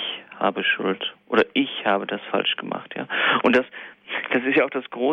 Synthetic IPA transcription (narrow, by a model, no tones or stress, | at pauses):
çha̰ːbəʃʊltʔoːɾɐʔɪçhaːbədasfa̰lʃɡ̥əmʔa̰χtja̰ːʔʊntd̥asd̥asɪstjaːaʊχd̥asɡ̥ʁoː